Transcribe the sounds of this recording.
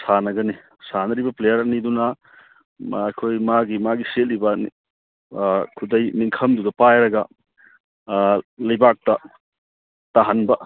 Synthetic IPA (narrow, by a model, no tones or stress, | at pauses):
sanɐɡɐni | sanɐɾibɐplejɐɾɐnidunɐ | jkʰojmaɡimaɡiselːibɐni | kʰudɐjniŋkʰɐmdudɐpajɾɐɡɐ | lɐjbak̚tɐ | taɦanbɐ